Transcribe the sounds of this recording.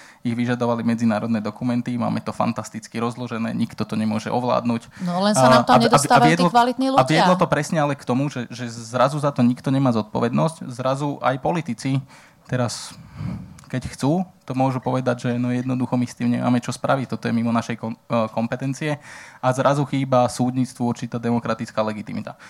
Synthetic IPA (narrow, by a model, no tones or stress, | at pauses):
iɣʋiʒad̪ɔʋalimɛd͡zinaːɾɔd̪nɛd̪ɔkumɛnt̪ima̰ːmɛt̪ɔfa̰nt̪ast̪it͡skiɾɔzlɔʒɛnɛ̰ːɲikt̪ɔt̪ɔɲɛmʊɔʒɛʔɔʋla̰ːd̪nuclɛnsaaaɲɛd̪aaɪɛd̪lɔalit̪niluaʋɪɛlɔt̪ɔpɾɛsɲɛalɛkt̪ɔmuʒɛʒɛzɾazuzat̪ɔɲikt̪ɔɲɛmaːzɔt̪̚pɔʋɛd̪nɔsczɾazuʔa̰jpɔlit̪it͡si | t̪ɛɾas | kɛcxt͡suːt̪ɔmʊɔʒupɔʋɛd̪aɟʒɛnɔjɛd̪nɔd̪uxɔmist̪iːmɲɛ̰ma̰ːmɛt͡ʃɔspɾaʋit̪ɔt̪ɔjɛmimɔnaʃɛjkkɔmpɛt̪ɛnt͡siɛazɾazuxiːbasuːd̪ɲit͡st̪ʋuuɾt͡ʃit̪aːd̪ɛmɔkɾat̪it͡skaːlɛɡit̪imit̪a